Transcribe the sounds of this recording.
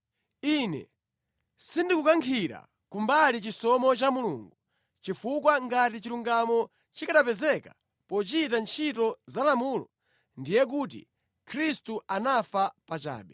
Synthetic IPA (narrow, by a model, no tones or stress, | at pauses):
inɛ̰ | sindikukaŋkʰiɾa̰ | kumbalit͡ʃisɔmɔt͡ʃamulṵːŋɡu | t͡ʃifukwaŋɡatit͡ʃiɾuŋɡamɔ | t͡ʃikaɗapɛzɛka | pɔt͡ʃitant͡ʃʰitɔzalamuːlɔ̰ | ndijɛk̬ut̬ḭ | kʰɾistuʔanafapat͡ʃa̰ːɓɛ